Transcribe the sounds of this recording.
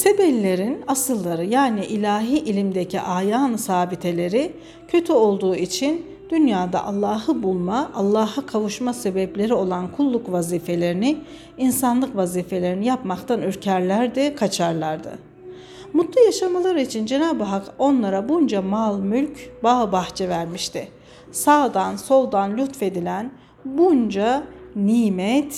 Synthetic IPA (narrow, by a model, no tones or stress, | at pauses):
se̞bɛlːʲe̞ɾinasɯlˠːaɾɯjaːniʔilʲaːɦiːʔilʲimd̪eciʔaːjansaːbit̪ʰe̞lʲe̞ɾi | cʰø̞t̪ʰyo̞lˠd̪uːit͡ʃʰin | d̪̥ynjaːd̪a̰ʔalˠːaːhɯbulˠmaʔːlˠːaːɦɯkʰavuʃmase̞bɛplʲe̞ɾio̞lˠankʰulˠːukvaziːfe̞lʲe̞ɾini | insanlˠɯkvaziːfe̞lʲe̞ɾinijapmakt̪ʰanyɾcʰæɾlʲæɾd̪ɛkʰat͡ʃʰaɾlˠaɾd̪ɯ̰ | mut̪lˠujaʃamalˠaɾɯit͡ʃʰind͡ʒe̞naːbɯɦako̞nlˠaɾabund͡ʒamalˠmylʲcbaːbaxt͡ʃʰɛvæɾmiʃt̪ʰɪ | saːd̪anso̞lˠd̪anlʲyt̪fe̞d̪ilʲæn | bund͡ʒaniːmɛt̪